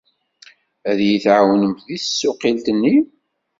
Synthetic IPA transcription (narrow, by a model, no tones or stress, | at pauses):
æðjiθʕawənəmt̪ðiθəsːʊqilt̪ənːi